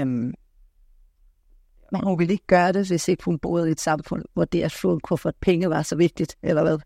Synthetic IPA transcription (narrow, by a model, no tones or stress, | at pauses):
m | næhunʋele̝ɡ̥əɡ̥ɶːɐɾ̥e̝ʋe̝se̝ɡ̥əhunb̥o̝ːð̩ˠied̥sɑ̈mfɔ̽n̰ʋɒd̥eɐsfonkʰɔfɒd̥pʰeŋəʋɑ̈sɒ̽ʋe̝ɡ̥̚d̥id̥ʔelɐʋæðˠ